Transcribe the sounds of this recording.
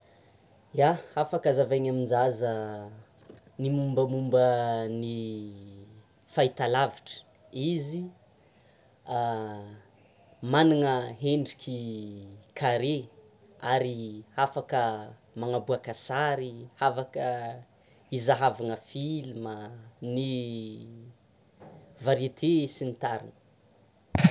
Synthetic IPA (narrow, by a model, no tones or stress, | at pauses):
jaafakəzavaɲaminzazə | nimumbəmumbəni | fait̪alaviʈ͡ʂə̥ | izi | a | maniŋəɦeɳɖ͡ʐikʲi | kʰaɾe | aɾiafakə | maŋabuakasaɾihavakə | izaɦavaŋəfiliməni | vaɾet̪ʰesinit̪aɾḭnə̥